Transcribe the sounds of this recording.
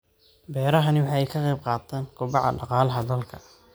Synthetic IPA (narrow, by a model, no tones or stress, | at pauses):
bɛːɾɐɦɐnɪwɑħɑːɛjkʰɐqɛjb̚qɑːt̪ʰɛːŋkʰʊbɑʕɑ̰ɖɑqɑːlɐɦɐðɐlkʰɐ̥